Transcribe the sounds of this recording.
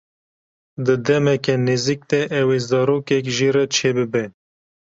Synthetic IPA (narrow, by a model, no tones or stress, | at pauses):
d̪ɨd̪ɛmɛkɛnizik̚d̪ɛʔɛwezɑːɾoːkɛk̬ʒirɛt͡ʃʰeːbɨbɛ